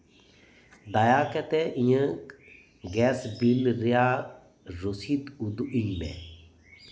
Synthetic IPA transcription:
d̪ajaːkɛt̪eʔĩjə̃ | ɡɛːsbilɾjaː | ɾusit̪ud̪uʔimḛ̃

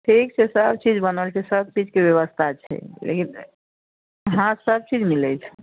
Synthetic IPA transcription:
ʈʰikt͡ʃʰesəb̚t͡ʃid͡ʒbənəlt͡ʃʰesəb̚t͡ʃid͡ʒkewjəwəst̪ʰat͡ʃʰɛ̰lḛkin | ɦãsəb̚t͡ʃid͡ʒmilət͡ʃʰɛ̥

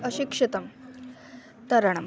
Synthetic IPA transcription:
əɕikʂit̪ɐm | t̪ɐɾɐɳ̃ɐm

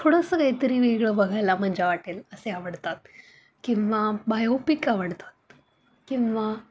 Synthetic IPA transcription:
t̪ʰoɽəsəkajt̪əɾiːʋiɡɭəːbəɡʱajlam̤əɲd͡ʑʱeʋaʈeːləseaʋəɽt̪at̪̚ | kĩw̃ʋabajopikaʋəɽt̪ḁt̪̚ | kĩʋa

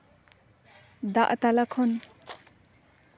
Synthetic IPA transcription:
d̪aʔt̪alakʰɔn

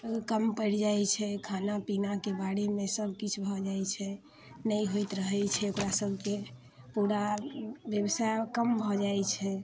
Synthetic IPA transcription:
kəmpəɾd͡ʒajt͡ʃʰɛkʰanapinakebaɽimesəbʱkit͡ʃʰbʱɔd͡ʒajt͡ʃʰɛ | nəjɦojt̪ɾəɦɛt͡ʃʰɛokɾasəbʱke | puɾabjəbəsajkəmbʱɔd͡ʒajt͡ʃʰɛ

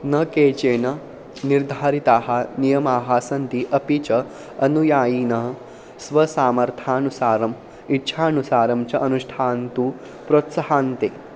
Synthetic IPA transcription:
nɐkeːt͡ɕeːnɐ | niɾd̪ʱaːɾit̪aːɦanijɐmaːɦaːsɐnt̪iʔɐpit͡ɕɐ | ɐnujaːjiːnɐɦ | sʋɐsaːmɐɾt̪ʰaːnusaːɾɐm | itːɕʰaːnusaːɾɐmt͡ɕɐʔɐnuʂʈʰaːnt̪u | pɾot̪sɐɦaːnt̪eː

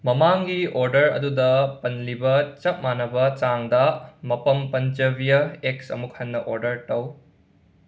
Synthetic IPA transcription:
mɐmaŋɡioɾdɐɾɐ̰dudɐpɐnlibɐt͡ʃɐp̚manɐbɐt͡ʃaŋdɐmɐpɐmpɐnt͡ʃɐbijɐek̚sɐ̰muk̚hɐnːɐʔoɾdɐɾtɐw

